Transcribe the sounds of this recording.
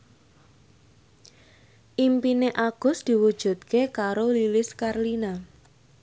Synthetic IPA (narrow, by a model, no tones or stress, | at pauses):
ʔimpineʔaɡ̥ʊ̤sd̪̥i̤wud̥ʒ̥ṳt̪̚kekaɾolilɪskarlina